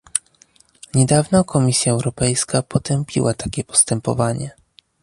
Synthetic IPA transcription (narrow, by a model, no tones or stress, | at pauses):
ɲɛd̪avnɔkʰɔmʲisʲjaɛwɾɔpɛjskapɔt̪ɛmpʲḭwʔat̪akʲɛpɔ̥st̪ɛmpɔ̰vaɲɛ